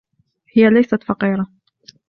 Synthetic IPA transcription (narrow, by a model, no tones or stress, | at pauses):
hɪjalajsat̪fɑqiːɾa